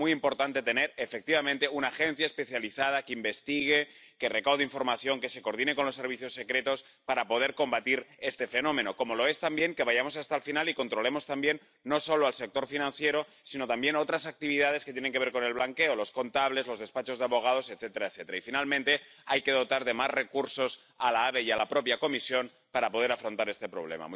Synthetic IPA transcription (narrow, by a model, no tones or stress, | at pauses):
mujimpo̞ɾt̪ant̪e̞t̪ene̞ɾefek̚t̪iβamẽnt̪e̞unaːxe̞n̟θjaespe̞θjaliθað̞akeimbe̞st̪iɣ̞e̞ | ke̞re̞kawð̞eiɱfo̞ɾmaθjo̞ŋke̞se̞ko̞ɾðineko̞nlo̞sːe̞ɾβiθjo̞sːe̞kɾe̞t̪o̞s | paɾapo̞ð̞e̞ɾko̞mbat̪iɾe̞st̪e̞fe̞nõ̞mẽ̞no̞ko̞molo̞e̞st̪ambje̞ŋke̞β̞aʝamo̞sast̪alfinaliko̞nt̪ɾo̞le̞mo̞st̪ambje̞nː | o̞so̞loalsek̚t̪o̞ɾfinãnθje̞ɾo | sino̞t̪ambje̞not̪ɾasak̚t̪iβ̞ið̞að̞eke̞t̪jene̞ŋkeβe̞ɾko̞ne̞lβlaŋke̞olo̞sko̞nt̪aβ̞le̞zlo̞zðe̞spat͡ʃo̞zðeaβo̞ɣ̞að̞o̞set̪θet̪eɾaeθe̞t̪eɾaifinalmẽnt̪e̞ajke̞ðo̞t̪aɾðe̞mazre̞kuɾso̞s | alaaβejalapɾo̞pjako̞misjo̞n | paɾapo̞ð̞eɾafɾo̞nt̪aɾe̞st̪e̞pɾo̞βle̞̰ma̰m